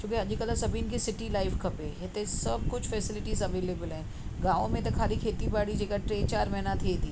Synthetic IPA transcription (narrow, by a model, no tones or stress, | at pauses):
t͡ʃũːkead͡ʒikəlasɐbʱiːnkesɪʈilaːɪfkɐpeːet̪esɐb̚kʊt͡ʃʰfɛːsɪlɪʈiːzɐʋeːleːbəlɦɛ̃ː | ɡãːʋõmẽt̪̬ɐkʰaːlikʰeːt̪ibaːɽid͡ʒeːkaʈɾeːt͡ʃaːɾmɛɦnat̪ʰet̪iː